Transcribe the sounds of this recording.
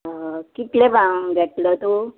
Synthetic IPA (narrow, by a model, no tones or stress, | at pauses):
kit̪lẽbãŋɡʱɛʈlət̪o